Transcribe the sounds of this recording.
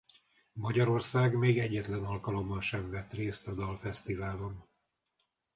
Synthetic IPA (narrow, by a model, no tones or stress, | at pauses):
mɒɟɒɾo̞rsaːɡmeːɡɛɟːɛt̪lɛnɒlkɒlo̞mːɒnʃɛɱvɛt̪reːst̪ɒd̪ɒlfɛst̪ivaːlo̞n